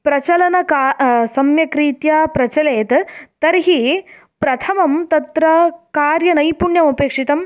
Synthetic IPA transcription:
pɾɐt͡ʃɐlɐnɐkaːsɐmjɐkɾiːt̪jaːpɾɐt͡ʃɐleːt̪t̪ɐɾɦi | pɾɐt̪ʰɐmɐmt̪ɐt̪ɾɐkaːɾjɐnɐjpuɳjɐmɐpeːkʂit̪ɐm

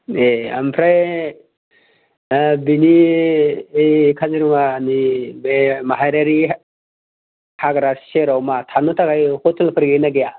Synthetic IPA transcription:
ea̰mpʰɾaj | bini | ejkʰaziɾmanibemaɦaɾaɾi | haɡɾasʃeɾawmat̪ʰanut̪ʰaɡajhot̪ʰilpʰəɾɡenaɡja

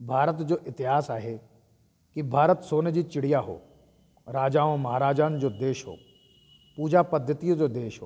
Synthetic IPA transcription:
bʱaːɾət̪d͡ʑoːʔɪt̪ɪɦaːsaːɦe | kibʱaːɾət̪soːnd͡ʑiːt͡ɕɪɽijaɦo̰ː | ɾaːd͡ʑaːõmɐɦaːɾaːd͡ʑaːnd͡ʑoːd̪eːʃɦo̰ː | puːd͡ʑapɐd̪ʱːət̪ijõd͡ʑoːd̪eːʃɦo̰ː

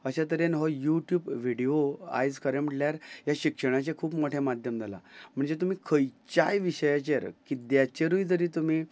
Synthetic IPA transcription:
əɕat̪̬əɾenɦɔjuʈjuːbʋiɽioa̰jd͡zkəɾeməʈljaɾjaɕikʂəɽ̃at͡ɕekʰuːpmoʈʰemad̪ʱjəmd͡z̪ʱala̰m̤əɳd͡zet̪̬um̤iːkʰəjt͡ɕajʋiɕəjat͡ɕeɾkid̪jat͡ɕeɾujt̪əɾiːt̪um̤iː

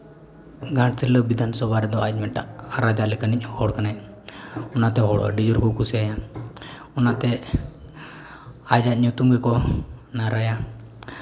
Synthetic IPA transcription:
ɡãʈsiləbid̪ʱansɔbaɾɛd̪ɔac̚ˀmɛʈaʔaɾad͡ʒalɛkanic̚hɔɽkanaj | ɔnat̪ɛɦɔɽ̰ɖid͡ʒɔɾkɔkusɛaja | ɔnat̪ɛ | ad͡ʒac̚ɲut̪uŋɡɛkɔnaɾaja

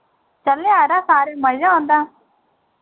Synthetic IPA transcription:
t͡ʃəleaːɾaːsaːɾeːməzãːõːnd̪aː

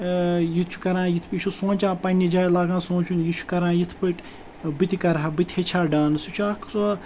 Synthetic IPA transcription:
jit͡ʃʰu̥kɐɾãːjit̪ʰpit͡ʃʰusõːt͡ʃãːpɐnʲid͡ʒaːjlaːɡãːsõːt͡ʃʰunjit͡ʃʰu̥kɐɾãːjit̪ʰpəʈ | bɨt̪ʲikɐɾɦabɨt̪ʲhet͡ʃʰaːɖaːnɨsit͡ʃʰuakʰs

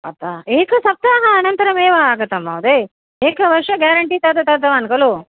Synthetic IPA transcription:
ɐ̰t̪ːaeːkɐsɐp̚t̪aːɦɐɐːnɐnt̪ɐɾɐmeːʋɐaːɡɐt̪ːɐmːa̰wd̪e | eːkɐʋɐɾʂɐɡaːɾɐɳʈiːt̪ɐt̪ɐt̪ɐt̪ɐʋaːnkɐlu

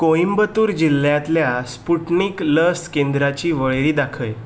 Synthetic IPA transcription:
koimbət̪uːɾd͡ʑilːjãt̪ljaspuʈniːkləskend̪ɾat͡ɕiːʋəɭeɾiːd̪akʰəj

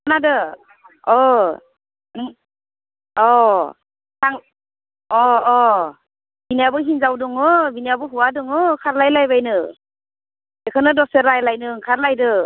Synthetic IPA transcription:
anadɯ | ɔ | ɯŋ | ɔ | tʰaŋ | ɔː | binijabɯɦinzawdɯŋɯbinijabɯɦuwadɯŋɯkʰaɾlajlajbajnɯ | ekʰɯnɯdɔseɾajlajnɯŋkʰaɾlajdɯ

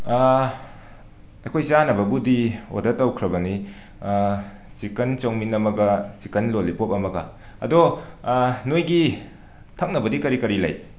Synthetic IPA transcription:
ɐjkʰojsanɐbɐbudio̰dɐtɐwkʰɾɐbɐni | sikɐnt͡ʃɐwŋminɐmɐɡɐsikɐnlolipop̚ɐmɐɡɐ̰ | ɐ̰dɔ | nojɡi | tʰɐk̚nɐbɐdikɐɾikɐɾilɐ̰j

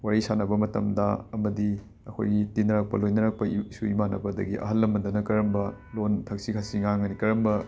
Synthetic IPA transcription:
waɾisanɐbɐmɐtɐ̰mdɐ̰ɐmɐdi | ɐkʰo̰jɡitinɐɾak̚pɐlojnɐɾak̚pɐisuimanɐbɐdɐ̰ɡḭʔɐ̰ɦɐlːɐmɐndɐnɐkɐɾɐmbɐlontʰɐk̚sikʰasiŋaŋɐnikɐɾɐmbɐ

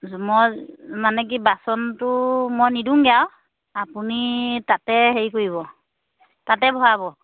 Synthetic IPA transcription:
mɔjmanɛk̬ibasɔntʊmojniduŋɡijaw | apunitatɛɦeɹikoɹiβɔ | tatɛbʱɔɹabɔ

